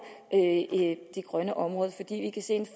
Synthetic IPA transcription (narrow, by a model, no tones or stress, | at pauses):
ʔ | d̥eɡ̥ʁɶnəʔɒ̽mʁɔ̽ːðˠfɒ̽d̥ḭːʋikʰæse̝̰ːenf